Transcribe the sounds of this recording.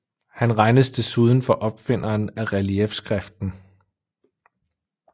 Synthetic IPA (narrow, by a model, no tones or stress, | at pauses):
hænʁɑ̈ɪnəsd̥ʰe̝suːð̞ˠn̩fɒ̽ʔɒ̽b̥fe̝n̰ʔɐːnæʁæliefsɡ̥ʁɛfd̥n̩